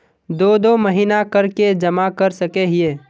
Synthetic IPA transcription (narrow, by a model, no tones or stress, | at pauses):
d̪oːd̪oməɦiːnakəɾked͡ʒɐmakəɾsəkeɦieː